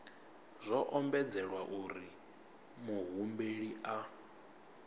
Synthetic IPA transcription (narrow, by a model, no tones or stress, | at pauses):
z̥ʷɔʔɔmbɛd͡zɛɺwaʔuɾi | muɦumbeɺiʔa